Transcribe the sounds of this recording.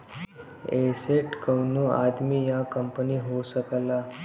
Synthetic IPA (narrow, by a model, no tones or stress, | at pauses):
eseʈkəwnuʔad̪miːjakəmpəniːɦoɕəkla